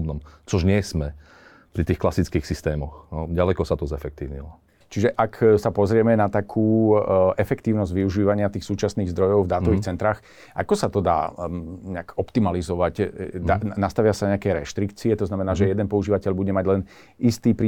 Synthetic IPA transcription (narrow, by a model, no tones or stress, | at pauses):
bnɔmt͡sɔʒɲɪɛsmɛ | pɾit̪iːxklasit͡skiːxsist̪ɛːmɔxɔɟalɛkɔsat̪ɔzɛfɛk̚t̪iːʊɲḭlɔ | t͡ʃiʒɛʔaksapɔzɾɪɛmɛnat̪akʰuːɛfɛkt̪iːʊnɔzɟʋiuʒiːʋaɲɪat̪iːxsuːt͡ʃasniːɣzd̪ɾɔjɔʊvd̪aːt̪ɔʋiːxt͡sɛnt̪ɾaːx | ʔa̰kɔsat̪ɔd̪a̰ːɲɛakɔpt̪imalizɔʋacd̪anast̪aʋɪasanɲɛakɛjɾɛ̰ʃt̪ɾikt͡siɛt̪ɔznamɛnaːʒɛjɛd̪ɛnpɔuʒiːʋacɛʎbuɟɛmaɟlɛn | ist̪iːpɾiː